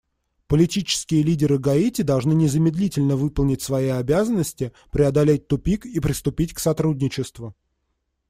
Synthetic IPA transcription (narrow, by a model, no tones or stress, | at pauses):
pəlʲɪtʲit͡ɕɪ̥skʲɪjəlʲidʲɪɾɨɡɐitʲɪd̪ɐlˠʐnɨnʲɪzəmʲɪd̪lʲitʲɪlʲnəvɨpəlˠnʲɪtʲsvɐiɐbʲazənːəsʲtʲɪ | pɾʲɪɐd̪ɐlʲet̚ʲt̪ʊpʲikipɾʲɪst̪ʊpʲitʲksɐt̪ɾudʲnʲɪt͡ɕɪst̪vʊ